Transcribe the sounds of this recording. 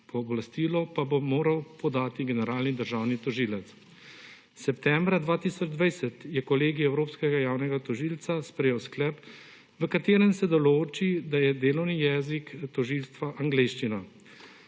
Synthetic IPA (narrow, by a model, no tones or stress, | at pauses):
pɔblast̪iːlɔpabomoːɾawpɔd̪aːt̪iɡɛnɛɾaːlnid̪əɾʒaːwnit̪ɔʒiːlɛt̪s | sɛpt̪ɛːmbɾad̪ʋaːt̪iːsɔd͡ʒd̪ʋajsɛt̪jɛkɔleːɡiɛwɾoːpskɛɡajaːwnɛɡat̪ɔʒiːlt̪saspɾɛjɛwsklɛp | ʋəkat̪eːɾɛnsɛd̪ɔloːt͡ʃid̪ajɛd̪eːlɔwnijɛːzikt̪ɔʒiːlst̪ʋaʔaŋɡleːʃt͡ʃina